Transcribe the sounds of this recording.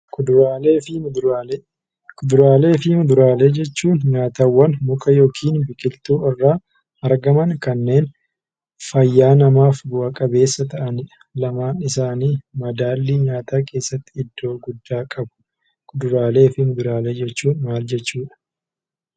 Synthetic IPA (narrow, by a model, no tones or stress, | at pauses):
ʊd̪alːɪ | kʊd̪ʊɾaːle̞ːfɪmʊd̪ʊɾaːleːd͡ʒɛt͡ʃːuːnɲaːt̪awːɐnmʊkʼɐjo̞ːkʰiːnbɪkʼɪlt̪uːɪrːaː | ɐɾɡɐmɐnkɐnːe̞ːn | fɐjːaːnɐmaːfɡʊɐkʼɐbe̞ːsːɐt̪ɐʔɐnɪᶑɐ̥ | lɐmaːnɪsaːniːmɐd̪aːlːiɲaːt̪aːke̞ːsːɐt̪ːɪ̥ɪd̪ːo̞ːɡʊd̪ːaːkʼɐbʊ̥ | kʊd̪ʊɾaːle̞ːfɪmʊd̪ʊɾaːle̞ːd͡ʒɛt͡ʃːuːnmaːld͡ʒɛt͡ʃːuːᶑɐ̥